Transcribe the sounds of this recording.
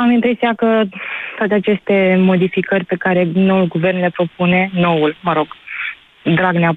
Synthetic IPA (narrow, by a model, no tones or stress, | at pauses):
amint̪ɾesiakət̪oat̪eat͡ʃe̞st̪e̞mo̞d̪ifikərʲpe̞kaɾe̞no̞wulɡuve̞rnle̞pɾo̞pune̞no̞wulməɾo̞ɡ̥ | d̪ɾaɡnea